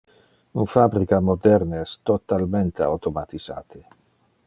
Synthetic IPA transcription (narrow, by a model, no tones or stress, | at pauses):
unfabɾikamod̪ɛɾneɛst̪ot̪alment̪ea̰wt̪omat̪iza̰ːt̪i